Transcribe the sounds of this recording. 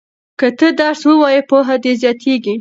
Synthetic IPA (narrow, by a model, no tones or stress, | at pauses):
kət̪əd̪ɑɾswəwɑjepoɦad̪ezjɑt̪ʰeɡi